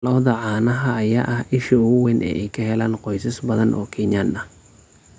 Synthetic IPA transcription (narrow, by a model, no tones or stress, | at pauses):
lɔːðɐʕɑːnɐɦɐɐjaːʔɐhɪʃɐʊɣʊwɛnʔɛ̰ːʔɛjkʰɐɦɛlaːnqɔjsɐsbɐðɐnʔɔ̰ːkʰɪɲjanɐ